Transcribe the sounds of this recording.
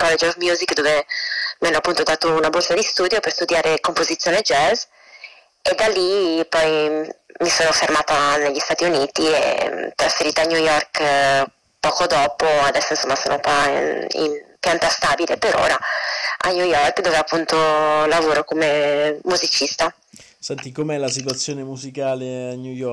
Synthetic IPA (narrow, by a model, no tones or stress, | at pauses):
kɔled͡ʒɔvmjuzikd̪oːvemianːoapːunt̪od̪aːt̪ounabɔlsad̪ist̪uːd̪joperst̪ud̪jaːɾekompozit̪sjoːned͡ʒɛz | ed̪alipɔjmisoːnofermaːt̪aneʎːist̪aːt̪iuniːt̪iḛt̪ɾasfeɾiːt̪aɲjujɔrk | pɔːkod̪ɔːpoad̪ɛsːoinsomːaso̰ːnokwaḭmpjant̪ast̪aːbilepeɾʔo̰ːɾaa̰ɲjujɔrkd̪oːveapːunt̪olavoːɾokomemuzit͡ʃist̪a | sɛnt̪ikomeɛlasit̪wat̪sːjoːnemuzikaːleaɲujɔ